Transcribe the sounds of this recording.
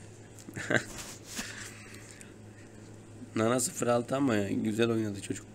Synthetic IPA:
nanasɯfɯɾalˠt̪ʰɯamaɟyzælʲo̞jnad̪ɯt͡ʃʰo̞d͡ʒuk

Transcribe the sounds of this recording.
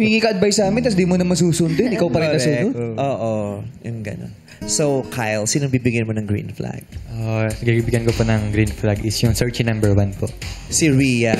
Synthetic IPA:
ŋikiːkɐʔɐd̪̚bajsaːmɪnt̪ɐs̬d̪imonɐmɐns̬uːsʊnd̪ʊnʔɪkawpɐɾɪnɐsuːnʊd̪ʔoːʔojʊŋɡɐ̰no̰n | sowkʰajlsɪnɐɡ̚bibɪɡanmonɐŋɡɾḭnfla̰ɡ̚ʔonɐɡbiɡibɪɡjɐnkoponɐŋɡɾinflaɡɪsjʊŋsɛɹt͡ʃnambɛɹwanpoʔsɪɹiːjɐ

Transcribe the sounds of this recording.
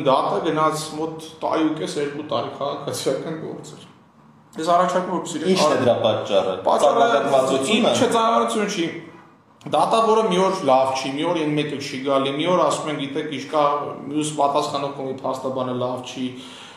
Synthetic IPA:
d̪ɑt̪əɡənɑt͡sʰmɔt̪ːɑ̰ɾjukɛsjɛɾkut̪ɑɾikʰɑʁɑkʰɑt͡sʰijɑkɑnɡɔ̰ɾt͡sɛɾ | jɛsɑrɑt͡ʃʰɑɾkumvɔɾpɛ̥siɾɛint͡ʃɑɾɛəɾɑpɑt͡ʃt͡ʃːɑrə̰pɑ̰t͡ʃːɑrəvut͡sʰut͡ʃʰɛt͡sɑnɑɑɾut͡sʰjunt͡ʃʰi | d̪ɑt̪ɑvɔɾəmiɔɾlɑvt͡ʃʰimiɔɾɛnmɛkət͡ʃʰiɡɑlimiɔɾəɑsumɛŋɡit̪ɛkʰint͡ʃʰkɑmjuspɑt̪ɑsχɑnɔʁkɔmipʰɑst̪ɑbɑnəlɑvt͡ʃʰi

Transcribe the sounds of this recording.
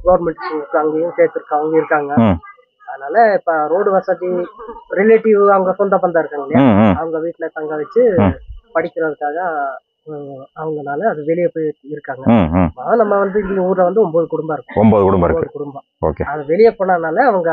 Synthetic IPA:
ɡɐːʋɐɾmɛɳʈskːɯɐŋɡeːjʊ̃seːɾt̪ːɪɾɯkːɐʋɐŋɡɐɪɾɯkːaːŋɡɐ | ɐðɯnaːlɐɪpːoɾoːɽɯʋɐsɐðiɾɪleːʈɪʋɯɐʋɐŋɡɐsɔnd̪ɐːp̬ɐnd̪aːɪɾɯkːaːŋɡɐlɐɪjaɐʋɐŋɡɐʋiːʈːɪlɐt̪ɐŋɡaːʋɐt͡ʃːɯpɐɽɪkʲːɪɾɐðɯkːaːɣɐ | ɐʋɐŋɡɐnaːlɐːðɯʋɛɭɪjɐpoːjɪɾɯkːaːŋɡɐpːanɐmːɐʋɐnd̪ɯɪnnd̪ɐuːɾlɐʋɐnd̪ɯɔmboːðɯkʊɽʊmbaɪɾɯkːʊ̃ɔmboːðɯkʊɽʊmbɐːɾkbkːɯðɯkʊɽʊmbɐ | o̰ːkḛɐðɐʋɛɭɪjɐpoːnaːnaːlɐːʋɐŋɡɐ

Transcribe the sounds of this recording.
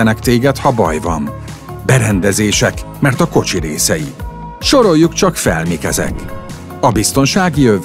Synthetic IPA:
ɛnɛkt̪eːɡɛt̪hɒbɒ̰jvɒ̰m | bɛɾɛnd̪ɛzeːʃɛkmɛrt̪ɒko̞t͡ʃiɾeːsɛji | ʃo̞ɾo̞jːukt͡ʃɒkfɛ̰lmikɛzɛ̰k | ɒbist̪o̞nʃaːɡijøv

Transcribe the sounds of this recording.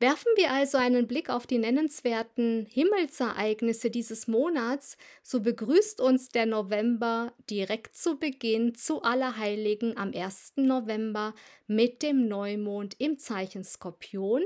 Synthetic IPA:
v̥ɛɐfn̩viːɐʔalzoaɪnənblɪkaʊfd̥iːnɛnənsv̥eːɐtn̩hɪml̩sɛɐʔaɪɡnɪsədiːzəsmoːnatsz̥oːbəɡʁyːstʊnsd̥eːɐnovɛmbɐd̥iʁɛktt͡subəɡɪnt͡suʔalɐɦaɪlɪɡŋ̩ʔamʔeːɐstn̩novɛmbɐmɪt̚d̥eːmnɔʏmoːntɪmt͡saɪçn̩skɔɐpʰjoːn

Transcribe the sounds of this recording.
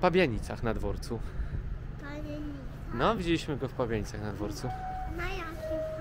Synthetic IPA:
pabʲjaɲit̪saxnad̪vɔɾt̪su | paeɲi | nɔvʲid͡ʑelʲiɕmɘɡɔfpabʲjaɲit̪saxnad̪vɔɾt̪sunajakʲi

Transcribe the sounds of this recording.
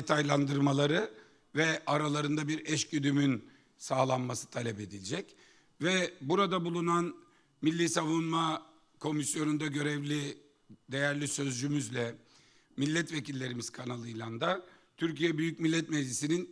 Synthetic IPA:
d̪et̪ʰajlˠand̪ɯɾmalˠaɾɯ | vɛʔaɾalˠaɾɯnd̪abiɾɛʃcyd̪ymyn | saːlˠanmasɯ̥t̪ʰalʲɛpe̞d̪ilʲd͡ʒɛc | vɛbuɾad̪abulˠunan | milʲːiːsavunma | kʰo̞misjo̞nund̪aɟø̞ɾɛvlʲi | d̪e̞jæɾlʲisø̞zd͡ʒymyzlʲɛ | milʲːɛt̪vecilʲːe̞ɾimiz̥kʰanalˠɯjlʲˠand̪a | t̪ʰyɾcijɛbyjycmilʲːɛt̪mɛd͡ʒːisinin

